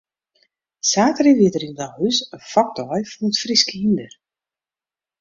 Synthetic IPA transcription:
saːtəriʋiətəɾindɔhysəfɔk̚tʰɔjfɔnətfriskəhindər

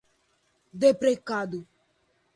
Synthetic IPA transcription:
d̪epɾekad̪o

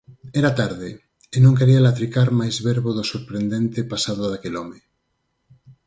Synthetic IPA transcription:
ɛɾat̪aɾðɪ | enõŋkeɾialat̪ɾikaɾmajzβɛɾβoðʊsoɾpɾend̪ent̪ɪpasaðoðakelɔme

